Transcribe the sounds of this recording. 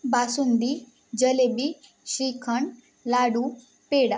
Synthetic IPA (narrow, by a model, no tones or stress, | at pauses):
baːsund̪i | d͡ʒəlebi | ʃiːkʰəɳ | laːɖu | peːɽa